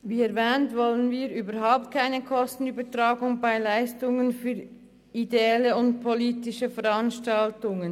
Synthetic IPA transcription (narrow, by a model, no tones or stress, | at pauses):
viːɛɐvɛːntvɔlənviːɾʔyːbɐɾɦaʊp̚t̚kʰaɪnəkʰɔstn̩yːbɐtʁaːɡʊŋbaɪlaɪstʊŋənfyːʁ | ideɛləʊnt̚pʰoliːtɪʃəfɛʁanʃtaltʊŋən